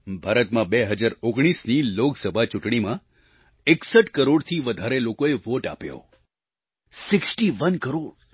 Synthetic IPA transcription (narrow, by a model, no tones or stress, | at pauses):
bʱaɾət̪mãbeɦəd͡ʒaɾoɡɽ̃isniloksəbʱat͡ʃʊʈɳ̃imã | eksəʈkəɾoɽt̪ʰiʋəd̪ʱaɾelokoeʋoʈa̰pjo̰ | sɪksʈiʋənkəɾoɽ